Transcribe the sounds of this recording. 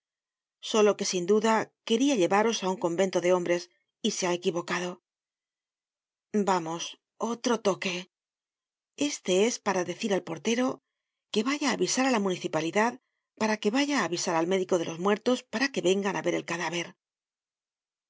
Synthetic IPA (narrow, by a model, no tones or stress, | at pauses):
so̞lo̞ke̞sind̪uðake̞ɾiaʎe̞βaɾo̞sauŋko̞mbe̞nt̪o̞ðe̞o̞mbɾe̞s | ise̞ae̞kiβo̞kað̞o̞ | bamo̞s | o̞t̪ɾo̞t̪o̞ke̞ | e̞st̪e̞e̞spaɾaðe̞θiɾalpo̞ɾt̪e̞ɾo | ke̞βaʝaːβisaɾalamuniθipaliðað | paɾake̞βaʝaːβisaɾalme̞ðiko̞ð̞e̞lo̞zmwe̞ɾt̪o̞spaɾake̞βe̞ŋɡanʔaβe̞ɾe̞lkaðaβ̞e̞ɾ